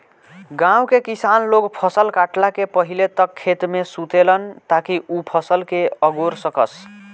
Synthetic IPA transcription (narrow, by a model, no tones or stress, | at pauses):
ɡãw̃kekisanloɡpʰʌsəlkaʈlakepəɦilet̪ʌkʰːet̪mesut̪elʌnt̪akiʔupʰʌsəlkeəɡoɾsʌkʌs